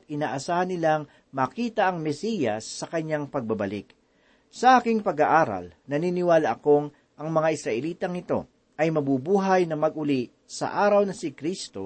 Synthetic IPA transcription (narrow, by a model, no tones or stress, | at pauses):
t̪̚ʔɪnaːʔɐsaːhɐnːɪlaŋ | mɐkiːt̪ɐʔɐŋmɛsijɐsːɐkɐɲːaŋpɐɡ̚bɐbɐlɪ̰k | sɐʔaːkɪŋpɐɡaʔaːɾɐ̰lnɐninɪwaːlaʔɐko̞ŋ | ʔɐŋmɐŋaʔɪsɾɐʔɛliːt̪ɐŋɪt̪o̞̰ | ʔɐjmɐbubuːɦɐjnɐmɐɡʔʊli | sɐ̰ʔaːɾɐwnɐsɪkɾist̪o̞̰